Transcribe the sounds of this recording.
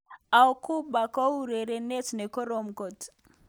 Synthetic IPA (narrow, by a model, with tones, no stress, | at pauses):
a˨o˦ku˦ba˨kɔ˦u˦ɾe˨ɾe˨ne˦tne˨kɔ˦ɾɔ˦mkɔ˨t